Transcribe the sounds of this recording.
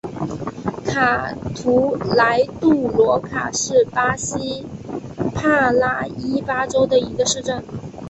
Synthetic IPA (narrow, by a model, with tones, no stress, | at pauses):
kʰa˨˩t̪ʰu˧˥la˧˥ɪt̪u˥˩lwɔ˧˥kʰa̰˨˩ʂɻ̩˥˩pa˥ɕi˥ | pʰa˥˧la˥˩i˥pa˥ʈ͡ʂo˥ʊd̪ə˨i˧˥ɡə˧ʂɻ̩˥˧ʈ͡ʂə˥˩n